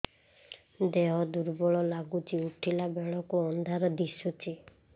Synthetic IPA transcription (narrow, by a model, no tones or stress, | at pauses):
d̪eɦɔd̪uɾbɔɭɔlaɡut͡ʃʰiuʈʰilabeɭ̃ɔkuɔnd̪ʱaɾɔd̪isut͡ʃʰi